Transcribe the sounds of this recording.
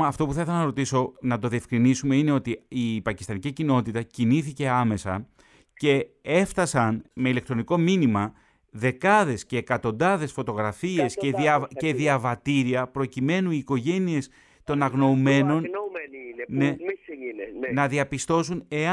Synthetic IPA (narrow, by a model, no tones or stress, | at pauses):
ɐft̪o̞pu̥θɐiθelɐnɐɾot̪iso̞nɐt̪o̞ðie̞fkɾinisume̞ine̞o̞t̪iipɐcist̪ɐnicicino̞t̪it̪ɐciniθice̞ɐme̞sɐ | ce̞e̞fθɐsɐnme̞ilekt̪ɾo̞niko̞minimɐ | ðe̞kɐðe̞sce̞ːkɐt̪o̞nd̪ɐðe̞sfo̞t̪o̞ɣɾɐfie̞seɐe̞ðiɐvɐt̪iɾiɐpɾo̞cime̞nuiːko̞ʝe̞nie̞s | t̪o̞nɐɣno̞ume̞no̞n | ne̞ | nɐðiɐpist̪o̞sune̞ɐ